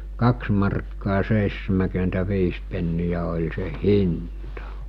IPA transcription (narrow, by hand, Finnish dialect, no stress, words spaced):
kɑks mɑrkːɑː seisːemækyentæʋiːs penːijæ olʲ se hintɑ